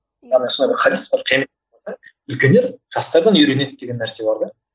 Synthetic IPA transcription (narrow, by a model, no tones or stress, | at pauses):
ɑnɑsond̪ɑjbɪɾχɑɾʲisbɑɾqʰijɑme | ɑd̪ɑ | ʏlkʲe̞nːe̞ɾʒɑst̪ɑɾd̪ɑniɾe̞ne̞d̪d̪e̞ɡʲenːæɾse̞bɑɾd̪ɑ